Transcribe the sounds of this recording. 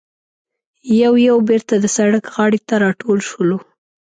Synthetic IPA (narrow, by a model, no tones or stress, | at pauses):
jawjawbeɾt̪ad̪əsaɽəkɣɑɽet̪aɾɑʈolʃəlo